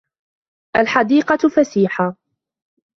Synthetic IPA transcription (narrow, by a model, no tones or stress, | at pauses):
ʔalħad̪iːqɑfasiːħa